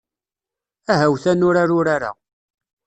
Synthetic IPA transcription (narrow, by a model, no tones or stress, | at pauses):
æɦæwθænʊɾaɾʊɾaɾa̰